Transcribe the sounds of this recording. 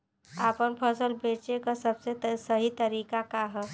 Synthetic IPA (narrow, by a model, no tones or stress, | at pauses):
apənpʰəsəlbet͡ʃekasəbsesəɦit̪əɾikakaɦə